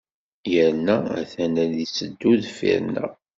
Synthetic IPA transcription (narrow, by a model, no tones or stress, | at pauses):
jəɾnːææ̰θænæðisəd̪ːuðfḭɾnæ̰